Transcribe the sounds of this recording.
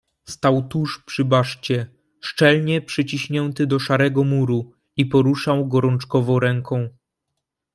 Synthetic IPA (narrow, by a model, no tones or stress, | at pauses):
st̪awt̪uʂpʂɘbaʂt͡ɕɛ | ʂt͡ʂɛlɲɛpʂɘt͡ɕiɕɲɛnt̪ɘd̪ɔʂaɾɛɡɔmuɾu | ipɔɾuʂawɡɔɾɔnt͡ʂkɔvɔ̃w̃ɾɛŋkʰɔ̃w̃